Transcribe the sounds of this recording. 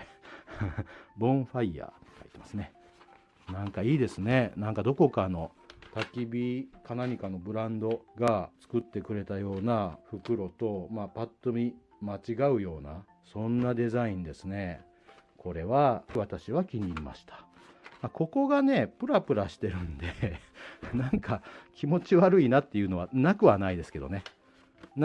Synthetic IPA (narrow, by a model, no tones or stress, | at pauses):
bõ̞ɸaiːa̰ːt̪e̥kai̥t̪emasɨne̞ | nãŋkaiːd̪e̞sɨne̞nãŋkad̪o̞ko̞kano̞ | t̪akʲibʲikanaɲ̟ikano̞bɯ̟ɾãnd̪o̞ɡat͡sɨ̥kɯ̟t̪ːe̞kɯ̟ɾe̞t̪ajo̞ːnaɸɯ̟kɯ̟ɾo̞t̪o̞maːpat̪ːo̞mʲi | mat͡ɕiɡaɯ̟jo̞ːna | sõ̞nːad̪e̞zaĩnd̪e̞sɨne̞ | kʰo̞ɾe̞βaβat̪aɕiβakʲiɲ̟iima̰ɕi̥t̪ḁ | mako̞ko̞ɡane̞pɯ̟ɾapɯ̟ɾaɕi̥t̪e̞ɾɯ̟nd̪e̞ | nãŋkakʲimo̞t͡ɕiβaɾɯ̟inat̪ːe̞jɯ̟ːno̞β̞anakɯ̟βanaid̪e̞sɨ̥ke̞d̪o̞̰ne̞